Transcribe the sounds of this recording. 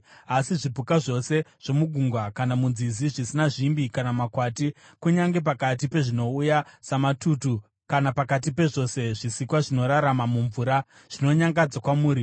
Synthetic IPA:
asiʐibʱukaʐo̞se̞ʐ̥o̞muɡʱuŋɡwakanamunziziʐisinaʐimbikanamakwati | kuɲaŋɡe̞p̬akat̬ipe̞ʐino̞ujasamatutu | kanapakat̬ipe̞ʐo̞se̞ʐisikwaʐino̞ɾaɾamamuɱvuːɾa | ʐ̥ino̞ɲaŋɡad͡zakwamuːɾi

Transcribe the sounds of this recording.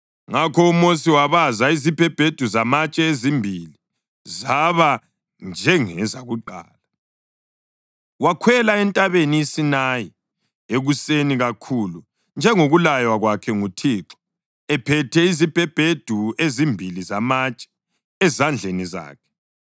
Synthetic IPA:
ŋakʰɔumos̬iwaβazaizib̥ʱɛb̥ʱed̥ʱuzamat͡ʃʼɛezimbʱili | zaβa | nd͡ʒʱɛŋɛzaɣuǃa̰ːla | wakʰwɛlaɛntʼaβeniisinaji | eɣuseniɣakʰulu | nd͡ʒʱɛŋoɣulajwaɣwakʰɛŋutʰiǁɔ̥ | ɛpʰɛtʰɛizib̥ʱɛb̥ʱed̥ʱuezimbʱilizamat͡ʃʼɛ̥ | ɛzand͡ɮʱeniza̰ːkʰɛ̥

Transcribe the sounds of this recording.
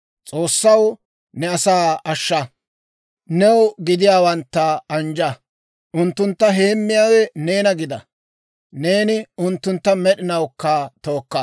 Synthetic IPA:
t͡sʼo̞ːsːɐw | nɛɐsaːɐʃːɐ | nɛwɡɪd̪ɪjaːwɐnt̪ːɐɐnd͡ʒɐ | ʔʊnt̪ːʊnt̪ːɐɦe̞ːmːɪjaːwɛne̞ːnɐɡɪd̪ɐ | ne̞ːnɪʊnt̪ːʊnt̪ːɐmɛɗɪnɐwkːɐt̪o̞ːkːɐ

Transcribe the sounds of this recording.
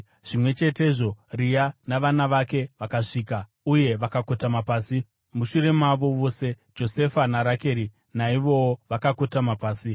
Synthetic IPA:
ʐ̥imwe̞t͡ʃe̞te̞ʐo̞rijanaʋanaʋake̞ʋakaʂiːka | uje̞ʋakako̞tamapaːsi | muʃuɾe̞maʋo̞ʋo̞se | d͡ʒo̞se̞fanaɾake̞ːɾi | naiʋo̞woʋakako̞tamapaːsi

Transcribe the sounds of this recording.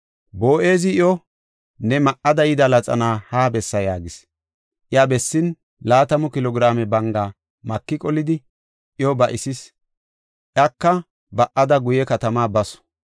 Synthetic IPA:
boːʔe̞ːzɪɪjɔ | nɛmɐʔɐd̪ɐjɪd̪ɐlɐt͡sʼɐ̰naːhaːbɛsːɐjaːɡɪs | ʔɪjabɛsːɪn | laːt̪ɐmʊkɪlɔɡɪɾaːmɛbɐŋɡaː | mɐkːɪkʼɔlɪd̪ɪ | ʔɪjɔbɐʔɪsɪs | ʔjɐkːɐ | bɐʔɐd̪ɐɡʊjɛkɐt̪ɐmaːbɐsɔ̥

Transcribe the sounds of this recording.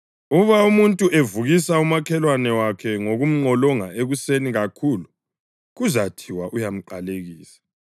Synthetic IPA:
uβaumuntʼuʔevuɣisaumakʰɛlwanɛwakʰɛŋoɣum̩ŋ͡ǃʱɔlɔŋa̰eɣuseniɣakʰulu | ɣuzatʰiwaʔujam̩ǃaleɣiːsḁ

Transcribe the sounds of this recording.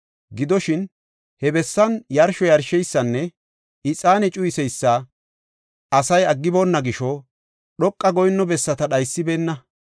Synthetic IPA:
ɡɪd̪ɔʃɪn | hɛbɛsːɐnjɐɾʃɔjɐɾʃɛjsːɐnːɛ | ɪt͡sʼaːnɛt͡ʃʼʊjɪsɛjsːɐ | ɐsɐjɐɡːɪboːnːɐɡɪʃɔ | ɗɔkʼːɐɡɔjnːɔbɛsːɐt̪ɐɗɐjsːɪbe̞ːnːɐ

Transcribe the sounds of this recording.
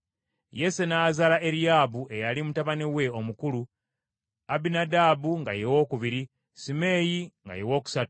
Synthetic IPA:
je̞senaːzalaʔe̞ɾijaːbue̞jalimutaβaniwe̞o̞mukulu | abinadaːbuŋɡa̰jewo̞ːkuβiɾi | sime̞ːjiŋɡa̰jewo̞ːku̥satu

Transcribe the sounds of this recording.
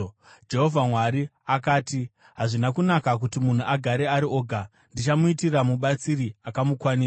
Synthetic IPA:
d͡ʒe̞ɦo̞vʱamwaɾiakaːti | ɦaʐinakunakak̬utimun̤uʔaɡʱaɾe̞aɾio̞ːɡʱa | ndit͡ʃamuitiramuɓat͡siɾiakamukwani

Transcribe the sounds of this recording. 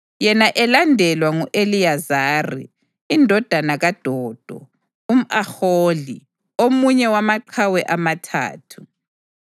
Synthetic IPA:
jɛnaʔɛlandʱɛlwaŋuʔeliazaːrḭː | ndʱɔd̥ʱanaɣad̥ʱɔːd̥ʱɔ̰ | um̩axoːli | omuɲɛwamaǃʰawɛʔamatʰa̰ːtʰu̥

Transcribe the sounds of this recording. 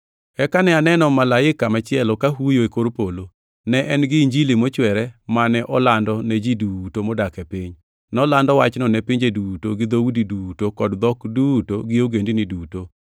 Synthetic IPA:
ɛkanɛanɛnɔmalaɪkːamat͡ʃɪɛlɔkaɦujoekoɾpolo | nɛʔɛnɡɪɲd͡ʒilimɔt͡ʃwɛɾɛmanɛʔɔlandɔnɛd͡ʒidutomɔdakɛpiɲ | nɔlandɔwat͡ʃnɔnɛpiɲd͡ʒedutoɡɪd̪owudidutokɔdd̪ɔkdutoɡɪoɡendiniduto

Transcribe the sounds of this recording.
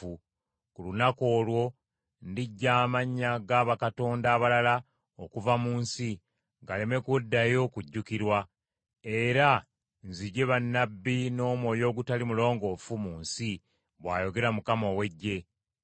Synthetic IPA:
u | kulunako̞ːlwo̞ | ndiɟːaːmaɲːaɡaβakato̞ːndaːβalala | okuvamuːnsi | ɡale̞me̞kudːajo̞kuɟːukiɾwa | e̞ɾa | nziɟe̞βanːabːino̞ːmwo̞ːjo̞ːɡutalimulo̞ːŋɡo̞fumuːnsi | βwa̰ːjo̞ɡe̞ɾamukamo̞we̞ɟːe̞

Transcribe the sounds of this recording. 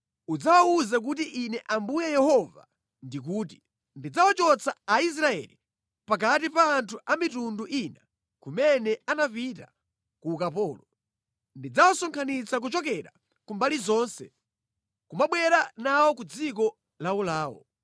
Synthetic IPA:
ud͡zawauzak̬utiʔinɛʔambujɛjɛhɔva̰ | ndik̬uːt̬i̥ | ndid͡zawat͡ʃɔt͡sʰaais̬ɾaɛ̰li | pak̬at̬ipaːntʰuʔamitunduʔina | kumɛnɛanapita | kuːkapɔːlɔ | ndid͡zawasɔŋkʰanit͡sak̬ut͡ʃɔkɛɾa̰ | kumbalizɔːnsɛ | kumaɓwɛɾanawɔkud͡zik̬ɔ | laulaːwɔ̰

